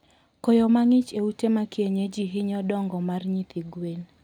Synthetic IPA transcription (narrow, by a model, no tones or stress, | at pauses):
kojomaŋɪt͡ʃeutemakjeɲed͡ʒiɦɪɲɔdɔŋɡɔmarɲit̪iɡwel